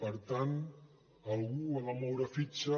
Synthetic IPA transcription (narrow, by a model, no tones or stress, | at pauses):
pəɾt̪an | əlˠɣuaβamɔwɾəfit͡ʃə